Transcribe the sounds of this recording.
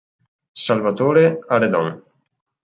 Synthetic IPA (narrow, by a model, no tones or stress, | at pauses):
salvat̪oːɾeaɾed̪ɔ̰ŋ